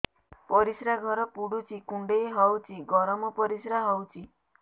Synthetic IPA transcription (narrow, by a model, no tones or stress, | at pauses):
pɔɾisɾaɡʱɔɾɔpuɽut͡ʃʰikuɳɖejɦɔwt͡ʃʰiɡɔɾɔmɔpɔɾisɾaɦɔwt͡ʃʰi